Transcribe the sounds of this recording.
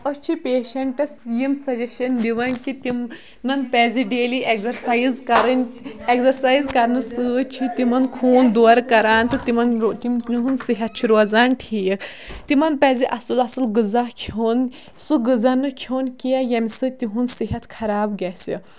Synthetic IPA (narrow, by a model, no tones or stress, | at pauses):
ɐst͡ʃʰipeːʃɐɳʈɐsijimsɐd͡ʒɐʃɐndiʋɐnkit̪im | mɐnpɛːziɖeːliʔekzɐɾsaːjizkɐɾɐnʲeksɐɾsaːjzkɐɾnɨsɨːt͡ʃʰit̪imɐnkʰoːnd̪oɾkɐɾaːnt̪ɨt̪imɐnɾt̪imnɦunsiɦɐt̪̚t͡ʃʰiɾoːzaːnʈʰij | t̪imɐnpɛːziʔɐsɨlɐsɨlɡɨzakʰoːn | suɡɨzanɨkʰjoːnkiɐjɐmʲsɨt̪iɦunsiɦɐt̪kʰɐɾaːbɡʲɛsi